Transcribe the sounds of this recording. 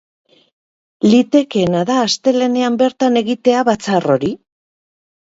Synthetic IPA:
lit̪e̞ke̞naðaːst̪e̞le̞ne̞ambe̞ɾt̪ane̞ɣit̪e̞aβat͡saro̞ɾi

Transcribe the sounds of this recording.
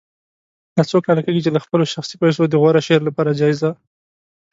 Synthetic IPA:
d̪̥ɑt͡sokɑlakeɡit͡ʃelaxpəloʃaxsipajs̬od̪əɣwaɾaʃeɾlapɑɾad͡ʒɑɪza

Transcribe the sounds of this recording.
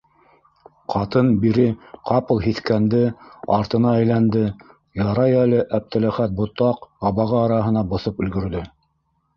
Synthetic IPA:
qʰɑt̪ɤnbiɾɘqʰɑpɤlˠɦiθkænd̪ɘɑ̰ɾt̪ɤ̆nɑæjlænd̪ɘ | jɑɾɑjælɘʔæp̚t̪ɘ̆læχæt̪̚bŏt̪ɑqɑβɑʁɤːɾɑɦɤ̆nɑbŏθɤpɵ̆lɡɵ̆ɾðɵ

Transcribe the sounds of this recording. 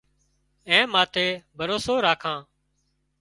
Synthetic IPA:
ẽːmaːt̪ʰeːbʱəɾoːsoːɾaːkʰãː

